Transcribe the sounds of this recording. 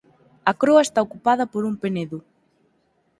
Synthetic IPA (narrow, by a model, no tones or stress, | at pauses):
ɐkɾoɐest̪aokupaðɐpoɾumpeneðʊ